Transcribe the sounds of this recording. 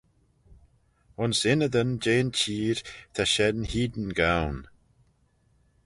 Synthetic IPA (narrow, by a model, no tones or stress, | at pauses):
ʊnsɪnəðənd͡ʒeːnt͡ʃʰiːɹt̪ʰaʃɛdnhiːd̪ənɡawn